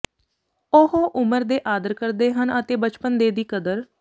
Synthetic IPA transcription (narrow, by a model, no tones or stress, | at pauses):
ohoːʔʊməɾd̪eːʔaːd̪əɾkəɾd̪eːɦənət̪eːbət͡ʃpənd̪eːd̪iːkəd̪əɾ